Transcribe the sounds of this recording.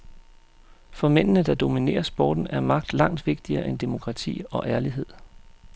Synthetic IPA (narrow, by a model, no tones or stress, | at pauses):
fɒ̽men̰nəd̥ɑ̈d̥o̝mine̝̰ːɐsb̥ɒ̰ːd̥n̩æɐmɑ̈ɡ̥d̥lɑ̈ŋ̰d̥ʋe̝ɡ̥d̥iɐːʔend̥emo̝kʰʁɑ̈t͡sʰḭːɒ̽ʔæɐliɦe̝ð̰ˠ